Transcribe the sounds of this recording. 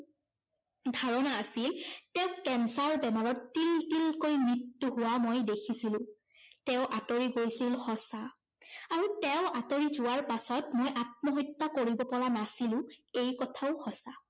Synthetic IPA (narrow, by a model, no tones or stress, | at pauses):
dʱaɹɔnaːsiltɛʊ̃kɛnsalbɛmaɹɔtːiltilkojmɹitːuɦʊwamojdekʰisilʊ̃ | tɛʊʔatoɹiɡojsilxɔsa | aɹutɛʊ̃ʔatoɹizʊwaɹpasɔtmojʔat̚mɔɦɔjtːakoɹibɔpɔɹanasilʊ̃ejkɔtʰaʊxɔsa